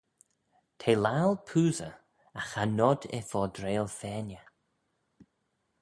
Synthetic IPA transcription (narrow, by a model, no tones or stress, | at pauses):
t̪ʰeːlalˠpʰuːzə̰ | axanɔd̪ɛ̰fɔːd̪ɾeːlˠfɛːnjə